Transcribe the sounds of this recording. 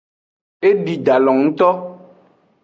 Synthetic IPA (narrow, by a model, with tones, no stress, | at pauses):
e˦ɖi˨ɖa˨lɔ˨ŋŋ̩˦t̪ɔ˦